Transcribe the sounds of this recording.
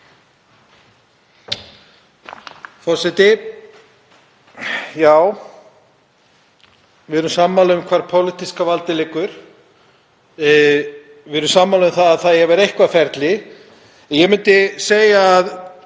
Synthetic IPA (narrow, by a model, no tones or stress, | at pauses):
fɔsɛt̪ɪ | jaːw | vɪðʏɾʏmsamːaːlʏmkʰvaɾpʰowlɪt̪iskavalt̪ɪlɛkʏɾ̥ | vɪðɾʏmsaːmːalʏmθaðaðθaðjɛɣvɛɾejhkvafɛɾt̪lɪ | jɛmʏnt̪ɪseːjaːð